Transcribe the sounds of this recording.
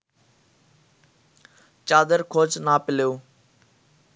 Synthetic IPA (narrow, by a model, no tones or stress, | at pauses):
t͡ʃaːd̪əɾkʰoːd͡ʒnaːpɪlejoː